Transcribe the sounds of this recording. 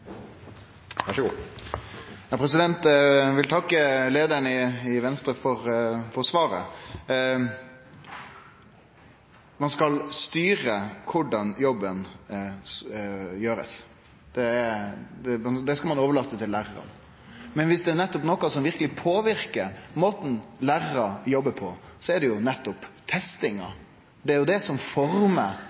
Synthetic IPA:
jɑpʰɾɛsɪd̪ɛnt̪ʋɪlt̪ʰɑkːəleːd̪əɾɳəɪɪʋɛnst̪ɾəfɔɾfɔʁsʋɑːɾə̰ | mɑnskɑlst̪yːɾəkʰʊɖɑnjɔbːən | jøːɾə̰s | d̪̥ɛ | d̪ɛmɑd̪ɛskɑlmɑnoːʋəɭɑːt̪ːət̪ʰɪllæːɾəɾɑ̰n | mɛnʋɪsd̪ɛːɾnɛt̪ːɔpnɔkːɑsɔmʋɪɾkəlɪpʰoːʋɪɾkəɾmoːt̪n̩læːɾəɾɑjɔbːəpʰɔsɔɛd̪ɛjʊnɛt̪ːɔpt̪ʰɛst̪ɪŋɑ̰ | ɖ̪ɛæɾjʊd̪ɛsɔmfɔɾmə

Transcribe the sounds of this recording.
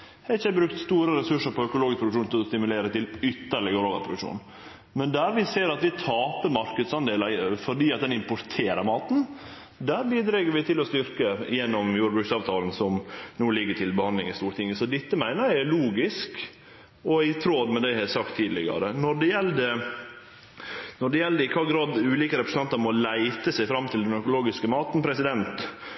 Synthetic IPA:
ɛɪçəbɾʉk̚t̪st̪uːɾəɾɛsʉʂəɾpʰɔœkʊloːɡɪskpʰɾʊd̪kʂuːnt̪ʰɪlɔst̪ɪmʉleːɾət̪ɪlʏt̪ːəɭɪɡəɾoːʋə̰ɾpʰɾʊd̪ʉkʂṵːn | mɛnd̪æːɾʋɪseːɾɑt̪ʋɪt̪ʰɑːpəɾmɑɾkəd̪sɑnd̪eːləfɔɖiːɑt̪̚d̪ɛnɪmpʊɾt̪ʰeːɾəɾmɑːt̪n̩ | d̪æːɾbiːd̪ɾɛɡəɾʋɪt̪ʰɪlɔst̪ʏɾkəjɛnːɔmjuːɾbɾʉksɑːʋt̪ʰɑːln̩sɔmnuːlɪɡːəʈʰɪlbəhɑnlɪŋɪst̪uːɾət̪ʰɪŋːəsɔd̪ɪt̪ːəmæɪnəɾɛluːɡɪsk | ɔɪt̪ʰɾoːd̪mɛd̪æɪhɛsɑkt̪ʰːiːd̪lɪɡɑ̰ɾənɔɖɛjɛld̪ə | nɔɖɛjɛld̪əɾɪkʰɑːɡɾɑːd̪ʉːliːkəɾɛpɾəsn̩ɑnt̪əɾmɔlæɪt̪əsæɪfɾɑmːt̪ʰɪld̪ɛnœɾkʊloːɡɪskəmɑːt̪npʰɾɛsɪd̪ɛnt̪

